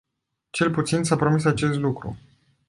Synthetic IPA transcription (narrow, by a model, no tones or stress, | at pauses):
t͡ʃe̞lput̪sinsapɾo̞misat͡ʃe̞st̪lukɾṵ